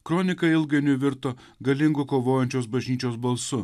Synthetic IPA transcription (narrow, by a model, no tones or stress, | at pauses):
kɾɔnʲɪkɐɪlˠɡɐɪnʲʊʋʲɪɾt̪oː | ɡɐlʲɪŋɡʊkoːʋoːjɛnʲt͡ʃʲoːs̬bɐʒʲnʲiːt͡ʃʲoːsbɐlˠsʊ